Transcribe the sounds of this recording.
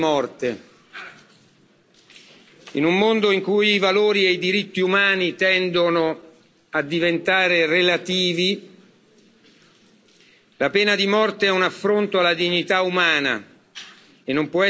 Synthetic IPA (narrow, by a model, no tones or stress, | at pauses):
mɔrt̪e | inumːond̪oiŋkujivaloːɾieid̪iɾit̪ːiumaːnit̪ɛnd̪ono | ad̪ːivent̪aːɾerelat̪iːvi | lapɛːnad̪imɔrt̪eɛunafːɾont̪oalːad̪iɲːit̪aumaːna̰ | enːompwɔɛ